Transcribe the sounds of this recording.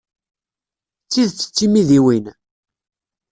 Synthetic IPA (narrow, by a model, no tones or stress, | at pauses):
t͡sːiðt͡sːə̥t͡sːimiðiwin